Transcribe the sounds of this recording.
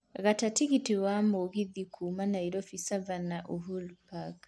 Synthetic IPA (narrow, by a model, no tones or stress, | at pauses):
ɣatatiɣitiwamɔɣiðikʰumanaiɾɔfisavanaʔuɦulpak